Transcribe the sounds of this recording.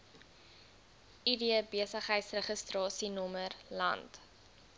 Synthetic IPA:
ʔidiəbiəsəχɦəjtsrəχəstrɑːsinɔmərlɐ̰nt

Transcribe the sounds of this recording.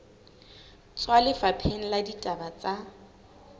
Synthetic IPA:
t͡sʼwalɪfapʰen̩laditʼabat͡sʼa

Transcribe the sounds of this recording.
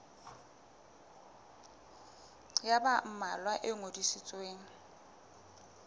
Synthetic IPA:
jabam̩malwaʔɪŋodisɪt͡sʼweːŋ̩

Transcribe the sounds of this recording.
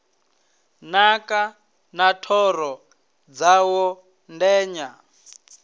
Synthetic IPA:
naka | natʰɔɾɔ | d͡zawɔ | ndɛːɲa

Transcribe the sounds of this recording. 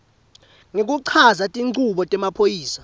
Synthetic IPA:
ŋek̬ʼuǀʰazatʼiŋuɓɔtʼɛmapʰojiːsḁ

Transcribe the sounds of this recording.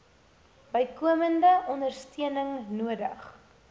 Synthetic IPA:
bəjkuəməndəʔɔndərstiənəŋnuədəχ

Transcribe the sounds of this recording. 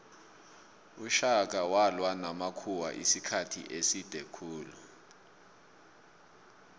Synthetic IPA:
uʃak̬awalwanamakʰuwa̰ʔḭsikʰatʰḭʔesid̥ʱɛkʰuːlu

